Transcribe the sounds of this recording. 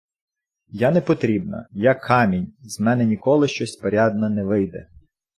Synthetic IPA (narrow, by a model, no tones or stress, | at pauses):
janɛpɔt̪ɾʲibnɐ̰jakʰːɑmʲinʲzmɛnɛnʲikɔlˠɪʃt͡ʃɔsʲpɔɾʲɑd̪̚nɐnɛʋɪjd̪ɛ̰